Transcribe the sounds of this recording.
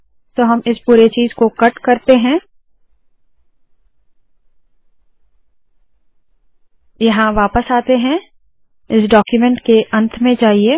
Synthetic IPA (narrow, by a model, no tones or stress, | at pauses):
t̪oːɦɐmɪspuːɾet͡ʃiːzkokɐʈkɐɾt̪eɦɛ̃ː | jɐɦãʋaːpəsaːt̪eɦɛ̃ | ɪsɖɔːkjumɛ̃ɳʈkeʔɐ̃nt̪ʰmẽd͡ʒaːɦieː